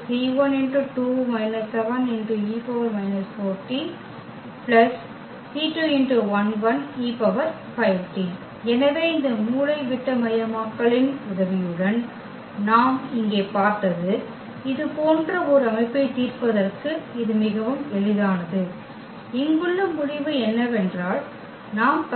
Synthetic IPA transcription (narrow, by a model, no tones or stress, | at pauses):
tiːʋɐnɛnɖrɯʈuːmɐɪnɐssɛʋɐnɛnɖrɯiːpɐʋɐɾmɐɪnɐsfoːɾʈi | pɭɐs | ʈiːʈuːɛnɖɯʋɐnʋɐniːpɐʋɐɾ | fɐɪʋʈi | ɛnɐʋeːɪnd̪ɐmuːlɐɪʋɪʈːɐmɐjɐmaːkːɐɭɪnʊðɐʋɪjɯɽɐn | naːmɪŋɡeːpaːɾt̪ɐðɯ | ɪðɯpoːndrɐɔɾɯɐmɐɪpːɐɪt̪iːrpɐðɐrkɯɪðɯmɪɣɐʋɯmɛɭɪðaːnɐðɯ | ɪŋɡɯɭːɐmʊɽɪʋɯɛnːɐʋɛndraːl | naːmp